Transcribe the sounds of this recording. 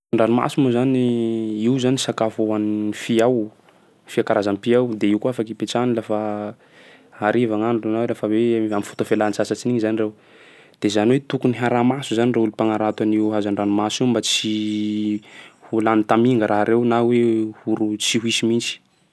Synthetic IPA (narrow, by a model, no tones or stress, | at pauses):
aɳɖ͡ʐanuma̰sumuzaniiwzanisakafoanfiaw | fiakaɾazampiawd̪eiwkuafakipet͡ʃanilafa | aɾivaŋanronawelafaweamifu̥t̪afelant͡sasat͡ʃiniɲizanirew | d̪̥ezaniwet̪ukuniɦaɾamasuzanireulupaŋaɾat̪waniwɦazaɳɖ͡ʐanumasimbat͡si | hulanit̪amiŋɡəɾʔaɦɾʔewnawehuɾut͡siɦuisimint͡ʃi̥